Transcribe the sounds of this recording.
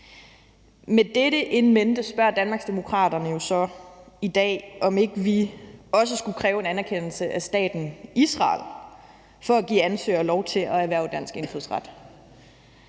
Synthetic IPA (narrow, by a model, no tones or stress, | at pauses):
med̥eɾəʔe̝nmend̥əsb̥ɶɐ̰d̥ænmɑ̈ːɡ̥sd̥e̝mo̝kʰʁɑ̰̈ːd̥ɐnəjo̝sɒ̽id̥ɛ̰ːʔɒ̽me̝ɡ̥əʋiɒ̽s̬əsɡ̥ukʰʁɛːʊe̝nænæɐkʰen̰l̩səʔæsd̥ɛ̰ːd̥n̩isʁɑ̰̈ːl | fɒ̽æɡ̥ḭːænsø̰ːɐlɒʊt͡sʰe̝lʔɒ̽æʋæɐ̰d̥æn̰sɡ̥e̝nfuðˠsʁɑ̈d̥